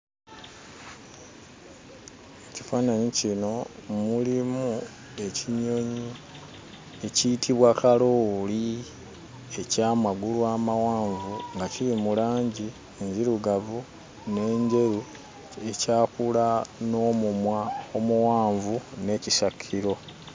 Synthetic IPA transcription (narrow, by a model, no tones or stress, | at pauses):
eci̥faːnaɲicino̞mulimu | e̞ciɲo̞ɲi | e̞ciːtʰiβwakaloːli | e̞caːmaɡulwaːmawaːɱvuŋɡaciɾimulaːɲɟi | eɲɟiɾuɡavu | ne̞ːɲɟe̞ɾi | e̞caːkulano̞ːmumwaomuwaːɱvune̞ːcisakʰːiɾo̞